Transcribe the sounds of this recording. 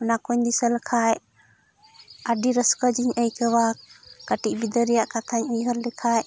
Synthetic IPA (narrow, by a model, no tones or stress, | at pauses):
ɔnakuɲd̪isəlkʰajʔ | aɖiɾəskəd͡ʒiɲəjkəwakaʈiʔbid̪əɾɛjaʔkat̪ʰaɲijɦəɾlikʰajʔ